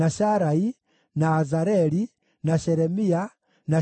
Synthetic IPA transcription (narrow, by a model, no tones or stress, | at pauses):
aʃaɾai | naːzaɾeli | naʃɛɾemia | na